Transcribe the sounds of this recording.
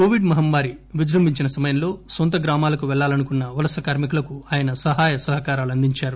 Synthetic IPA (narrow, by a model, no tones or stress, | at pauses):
koːʋiɖmɐɦɐmʋaːɾiʋid͡ʒɾɐmbʱiɲt͡ʃinɐsɐmɐjɐmlo̞ːsont̪ɐɡɾaːmaːlɐkuʋɛɭːaːlɐnukunːɐʋɐlɐsɐkaːɾmikulɐkuaːjɐnɐsɐɦaːjɐsɐɦɐkaːɾaːluɐnd̪iɲt͡ʃaːɾu